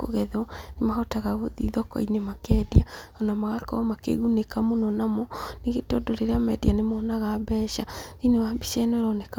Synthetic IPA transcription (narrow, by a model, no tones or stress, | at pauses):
ko̰ɣɛðɔnemahɔtaɣaɣoðḭðɔkɔ̰inemakɛdiaɔnamaɣakɔ̰makḛɣunekamonɔnamɔneɣetɔdoɾeɾeamɛdianemɔːnaɣabɛʃainewabiʃɛnɔɾɔneka